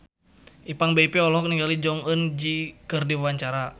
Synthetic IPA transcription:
ʔipaŋbeipɛɔlɔk̚niŋɡalid͡ʒɔŋənd͡ʒikɨrdiwwaɲt͡ʃaɾa

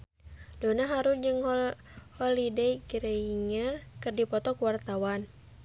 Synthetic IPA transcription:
dɔnaɦaɾund͡ʒɨŋ | hɔlidejɡɾɛiŋərkɨrdipɔt̪ɔkuwart̪awan

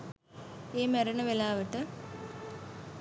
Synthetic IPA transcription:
eːmɐɾɐɳɐʋelaːʋɐʈːɨ

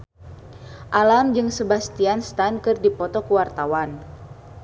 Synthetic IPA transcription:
ʔalamd͡ʒɨŋsəbast̪ianst̪ankɨrdipɔt̪ɔkuwart̪awan

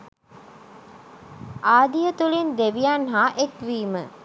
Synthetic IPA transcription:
ʔaːd̪ijət̪ulind̪eʋijanɦaːʔekʋiːmə

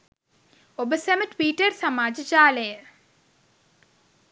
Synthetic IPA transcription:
obəseməʈʋiːʈərsamaːd͡ʒət͡ʃaːləjə

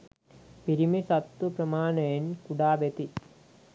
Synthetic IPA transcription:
piɾimisɐt̪ːupɾɐmaːnejnkuɽaːbet̪i

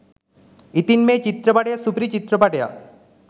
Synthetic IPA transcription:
it̪inmet͡ɕit̪ɾɔpaʈejasupɾit͡ɕit̪ɾɔpaʈeja̰

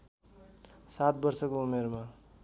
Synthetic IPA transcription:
sat̪̚bʌrsʌkoumerma

